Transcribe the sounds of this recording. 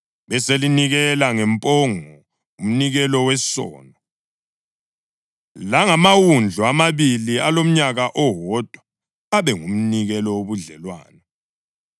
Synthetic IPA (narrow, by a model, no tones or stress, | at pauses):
βɛseliniɣɛlaŋɛmpʼɔŋɔ | um̩niɣɛlɔwɛsɔ̰ːnɔ | laŋamawund͡ɮʱɔamaβilialom̩ɲaɣaʔɔɦɔd̥ʱwa | aβɛŋum̩niɣɛlɔwoβuɮɛlwa̰ːnɛ